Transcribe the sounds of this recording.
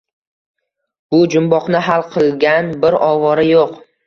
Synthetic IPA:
b̥ʊd͡ʒʊmbɒqnɪɦalˠqʰɨlˠɡʲanbɪɾɒvɒɾɪjoq

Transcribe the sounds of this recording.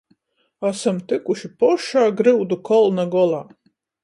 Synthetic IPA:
asamt̪ɨkuʃipɔʃaːɡɾɨwd̪ukʰɔlˠnaɡɔlˠaː

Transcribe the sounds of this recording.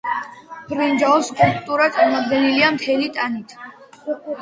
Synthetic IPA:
b̥ʰʼɾind͡ʒaɔskʼulpʼt̪ʼuɾat̪sʼaɾmɔd̪ɡɛniliamt̪ʰɛlit̪ʼanit̪ʰ

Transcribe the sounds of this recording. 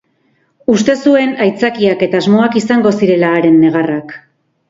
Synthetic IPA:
ust̪e̞sue̞najt͡sakiake̞t̪aːzmo̞akisaŋɡo̞siɾe̞laːɾe̞nːe̞ɣ̞arak

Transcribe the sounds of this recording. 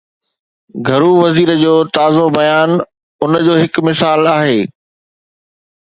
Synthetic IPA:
ɡʱɐɾuʋɐziːɾəd͡ʑoːt̪aːzobɐjaːn | ʊnəd͡ʑoːɦɪkmɪsaːlaːɦeː

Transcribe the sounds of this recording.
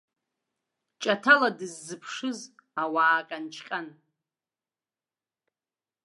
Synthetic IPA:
t͡ʃʼatʰaladɨzːɨpʰʂɨzawaːkʼant͡ʃʰqʲʼan

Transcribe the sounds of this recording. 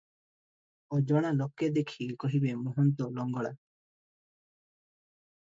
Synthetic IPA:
ɔd͡ʒɔɽ̃aloked̪ekʰikɔɦibemuɦɔnt̪ɔlɔŋɡɔɽa

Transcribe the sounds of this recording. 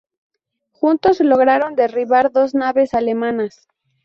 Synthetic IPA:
xunt̪o̞slo̞ɣɾaɾo̞nd̪e̞riβaɾðo̞znaβe̞sale̞mãnas

